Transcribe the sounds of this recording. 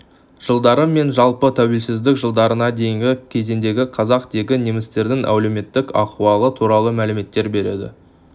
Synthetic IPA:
ʒ̥əlˠd̪ɑɾəmːe̞nʒɑlˠpət̪ʰæwe̞lsɪzd̪ɪkʒəlˠd̪ɑɾənɑd̪e̞jɪŋɡʲɪkʲʰe̞ze̞nd̪e̞ɡʲɪqʰɑzɑqd̪e̞ɡʲɪnemɪst̪e̞ɾd̪ɪŋʔæ̰wleme̞t̪ːɪkɑquɑlˠət̪ʰuɾɑlˠəmælɪme̞t̪ːe̞ɾbe̞ɾe̞̰d̪ɪ̰

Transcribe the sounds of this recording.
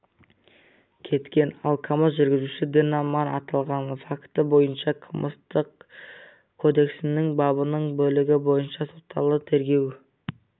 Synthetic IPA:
kʲʰe̞t̪kʲe̞nɑlˠkʰɑməsʒʏɾɡʲɪzuʃɪd̪enɑmɑnɑt̪ɑlˠʁɑnfakt̪əbo̞jənʃɑqʰəməst̪əq | kʰːo̞d̪e̞ksɪnɪŋbɑbənəɴbɵlɪɡʲɪbo̞jənʃɑso̞t̪ʰːɑlˠət̪ʰe̞ɾɡʲe̞w

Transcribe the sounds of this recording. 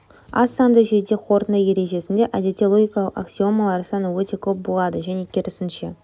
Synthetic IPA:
ɑ̰sːɑnd̪əʒejd̪e̞χʰo̞ɾt̪ənəje̞ɾe̞ʒe̞sɪnd̪e̞ʔad̪ʲet̪ʲelˠo̞ɡʲijkɑlˠəqaksʲio̞malˠɑɾsɑnəwɵt̪e̞kʲʰɵp̚bo̞lˠɑd̪əʒæne̞kʲʰɪɾɪsɪnʃe̞̰

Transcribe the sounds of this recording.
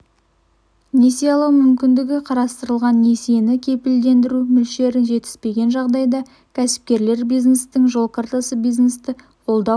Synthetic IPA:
ne̞sijalˠəqmʏmkʲɪnd̪ɪɡʲɪqʰɑɾɑst̪əɾəlˠʁɑnːe̞se̞nɪkʲʰe̞pɪld̪e̞nd̪ɪɾumʏlʃe̞ɾɪnʒe̞t̪ɪ̥z̥pe̞ɡʲe̞nʒɑʁd̪ɑjd̪ɑ | kʲʰæsɪ̥p̚kʲe̞ɾle̞ɾbijznest̪ɪŋʒo̞lˠkʰart̪asəbijznest̪ɪ | qʰo̞lˠd̪ɑ

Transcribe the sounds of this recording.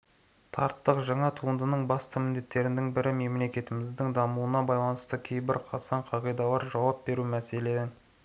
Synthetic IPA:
t̪ʰɑɾt̪ːəqʒɑɴɑt̪ʰuənd̪ənəɴbɑst̪əmɪnd̪e̞t̪ːe̞ɾɪnd̪ɪŋbɪɾɪme̞mle̞kʲe̞t̪ɪmɪzd̪ɪŋd̪ɑmuwənɑbɑjlˠɑnəst̪əkʲʰe̞jbɪɾqʰɑsɑɴqʰɑʁijd̪ɑlˠɑɾʒɑwɑp̚be̞ɾumæse̞leɪ

